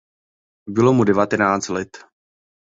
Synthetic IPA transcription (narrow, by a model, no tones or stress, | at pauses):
bɪlo̞mudɛvat̪ɛnaːt͡st̪lɛt̪